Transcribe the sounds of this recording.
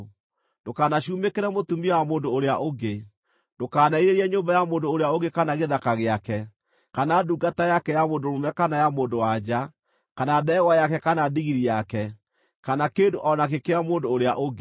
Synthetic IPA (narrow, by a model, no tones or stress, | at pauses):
dokaːnaɕuːmekeɾɛmotumiɔwamoːndoːɾeaʔoɡe | ndokaːnaiɾeɾɛɲoːmbajamoːndoːɾeaoɡekanaɣeðakaɣeakɛ | kanaduːɡatajakɛjamoːndoɾomɛkanajamoːndowad͡ʑa | kanadɛɣwajakɛkanadiɣiɾijakɛ | kanakeːndoʔɔnakekeɾamoːndoːɾeaʔoɡ